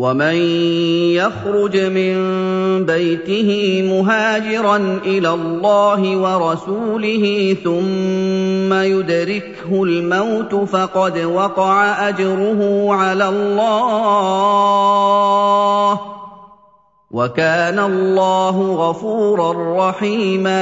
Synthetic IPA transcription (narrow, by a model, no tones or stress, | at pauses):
wamanjaxɾʊd͡ʒmɪnbajt̪ɪhɪːmʊɦaːd͡ʒɪɾˤɑnʔɪlaːlːɑːɦɪwɑɾˤɑsuːlɪɦiːθʊmː | ajʊd̪ɾɪk | hʊlmawt̪ʊfɑqɑd̪wɑqɑʕaʔad͡ʒɾʊɦʊʕalaːlːɑː | h | wakaːnalːɑːɦʊɣɑfuːɾˤɑrˤːɑħiːma